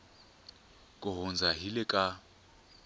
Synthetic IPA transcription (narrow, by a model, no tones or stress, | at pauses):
kʼʊɦʊnd͡zʱaɦilɪkʼa